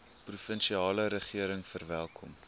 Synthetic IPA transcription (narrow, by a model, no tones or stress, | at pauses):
prufənʃiɑːləɾəχiəɾəŋfərvælˠkʰɔm